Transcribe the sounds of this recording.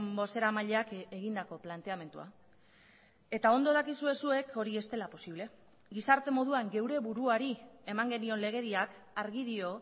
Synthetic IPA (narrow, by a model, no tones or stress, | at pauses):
mbo̞se̞ɾamaʎe̞akeɣ̞ind̪ako̞plant̪e̞ame̞nt̪ṵa̰ | e̞t̪ao̞nd̪o̞ð̞akisue̞sue̞kʰo̞ɾiest̪e̞lapo̞siβle̞ | ɡisaɾt̪e̞mo̞ð̞uaŋɡe̞wɾe̞βuɾuaɾie̞maŋɡe̞nio̞nle̞ɣ̞e̞ðiak | aɾɣiðio̞